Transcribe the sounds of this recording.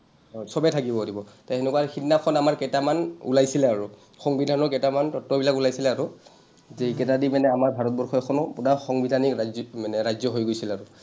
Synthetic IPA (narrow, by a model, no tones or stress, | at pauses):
ɔsɔbɛtʰakibɔodibɔtaenɛkuaɹxitnakʰɔnamaɹkɛtamanṵlajsilɛaɹʊ | xɔŋbidʱanɔɹkɛtamantɔtːɔbilakulajsilɛaɹʊ | zɛkɛtadimanɛamaɹbʱaɹɔt̚bɔɹxɔkʰɔnɔpunaxɔŋbidʱanikamanɛɹajzɔɦojɡojsilɛaɹʊ